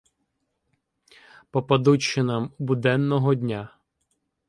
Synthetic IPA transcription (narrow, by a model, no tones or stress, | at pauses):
pɔpɐd̪ut͡ʃːɪnɐmubʊd̪ɛnːɔɦɔd̪ʲnʲa